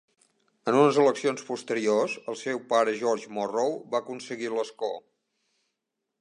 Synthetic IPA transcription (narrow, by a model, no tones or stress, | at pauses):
ənunəzələksionspust̪əɾiozəlˠsewpaɾəʒɔɾʒmorowbaəkunsəɣiləsko̰